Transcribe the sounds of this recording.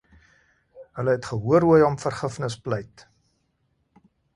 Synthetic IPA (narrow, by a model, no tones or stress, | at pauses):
ɦələɦɛtχəɦuəɾuəjɔmfərχəfnəspləjt